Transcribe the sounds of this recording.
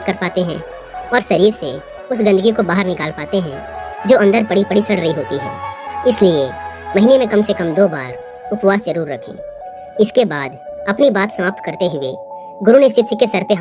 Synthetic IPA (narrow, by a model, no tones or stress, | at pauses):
kɐɾpaːt̪eɦɛ̰̃ː | ɔːɾsɐɾiːɾse | ʊs̬ɡɐ̃nd̪əɡikobaːɦəɾnɪkaːlpaːt̪eɦɛ̃d͡ʒoːɐ̃nd̪əɾpɐɽipɐɽisɐɽɾɐɦiɦoːt̪iɦɛ̰ːɪsliemɐɦɪnemẽkɐmsekɐmd̪oːba̰ːɾ | ʊpwaːsd͡ʒɐɾuːɾːɐkʰḛ̃ː | ɪskebaːd̪ɐpnibaːt̪sɐmaːp̚t̪kɐɾt̪eɦʊḛ | ɡʊɾuneːsɪsikesɐɾpeɦ